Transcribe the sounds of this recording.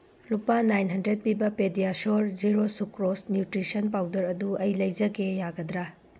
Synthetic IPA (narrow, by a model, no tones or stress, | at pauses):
lupanajnɦɐndɾed̚pibɐpedijasoɾd͡ʒiɾosukɾosnjutɾisɐnpawdɐɾɐduɐjlɐjd͡ʒɐɡejaɡɐd̪ɾa